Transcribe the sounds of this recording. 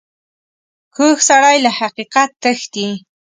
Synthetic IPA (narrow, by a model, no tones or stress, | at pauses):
kʊxsaɽajlahaqiqat̪ːəxt̪i